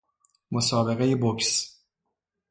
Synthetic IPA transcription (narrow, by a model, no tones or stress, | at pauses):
mosɒːbeɣejeboks